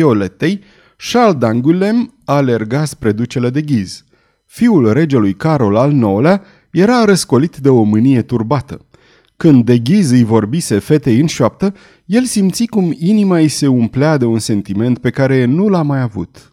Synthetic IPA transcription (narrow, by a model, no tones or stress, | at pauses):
olet̪e̞j | ʃald̪aŋɡule̞m | aːle̞rɡaspɾe̞d̪ut͡ʃe̞le̞d̪eɡʲiz̥ | fiulre̞d͡ʒelujkaɾo̞lalno̞la | je̞ɾaɾəsko̞lit̪d̪e̞o̞mɨnije̞t̪urbat̪ə | kɨnd̪ːe̞ɡʲizɨjvo̞rbise̞fe̞t̪e̞jɨnʃap̚t̪ə | je̞lsimt̪sikuminimaise̞umplead̪e̞unse̞nt̪ime̞nt̪̚pe̞kaɾe̞nulamajavṵt̪